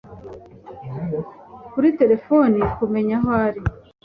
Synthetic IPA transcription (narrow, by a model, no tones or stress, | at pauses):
kuɾite̞ɾe̞fonikume̞ɲaɦoaɾi